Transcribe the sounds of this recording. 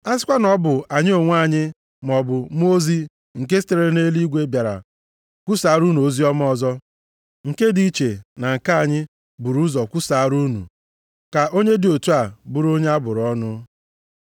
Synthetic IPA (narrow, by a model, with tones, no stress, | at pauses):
a˦s̬ɪ˦kʷa˦nɔ˦bʊ˨a˨ɲɪ˦o˨ŋʷ˦a˦˨ɲɪ˦ | m˨ɔ˨bʊ˨m˦o˦zi˦ | ŋ̩˨ke˦ste˨ɾe˦ne˦li˦ɡʷe˦bja˨ɾa̰˨ | kʷu˦saː˨˦ɾu˦nu˨o˦zi˦ɔ˦m˦ɔ˨zɔ˦ | ŋ̩˨ke˦di˨i˦t͡ʃe˨na˨ŋ̩˨ka˦a˨ɲɪ˦ | bu˨ɾu˦zɔ˨kʷu˦sa˨˦ɾu˦nṵ˨ | ka˨ʔo˦ɲe˦dɪ˨o˨tu˦a˨bu˦ɾo˦ɲe˦a˦bʊ˨ɾɔ˦nʊ˦